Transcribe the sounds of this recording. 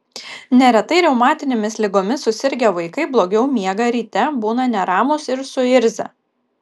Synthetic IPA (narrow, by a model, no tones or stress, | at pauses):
nʲɛɾʲɛt̪ɐɪɾʲɛʊmɑːt̪ʲɪnʲemʲɪslʲɪɡoːmʲɪsʊsʲɪɾʲɡʲɛʋɐɪkɐɪblˠoːɡʲɛʊmʲiɛɡɐɾʲiːt̪ʲɛbuːnɐnʲɛɾɑːmʊsɪɾsʊɪɾʲzʲɛ̰